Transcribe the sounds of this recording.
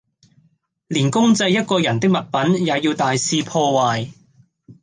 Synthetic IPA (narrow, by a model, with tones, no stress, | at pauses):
liː˨˩nkʊ˥ŋt͡sɐ˧jːɐ˥t̚kɔː˧jɐ˨˩nt̪ɪ˥k̚mɐ˨t̚pɐ˨˥njaː˨˧jiː˧wt̪aː˨jsiː˧pʰɔː˧waː˨j